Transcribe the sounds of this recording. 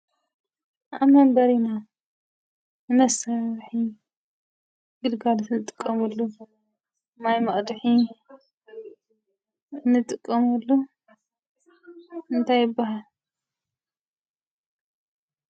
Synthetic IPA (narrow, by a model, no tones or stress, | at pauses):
ʔa̰mɐmbɐɾina | mɐsɐβħi | ɡɨlɡalsnɨt̪ʼɨkʼːɐmulːu | majmɐχʼd̪ħi | nːɨt̪ʼɨkʼːɐmulːu | ɨnt̪ʰajɪbːaɦal